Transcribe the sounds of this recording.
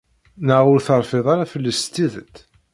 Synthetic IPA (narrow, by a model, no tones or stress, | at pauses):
nəʕʊɾθəɾˤfeðˤɑɾafəlːəst̪iðət̪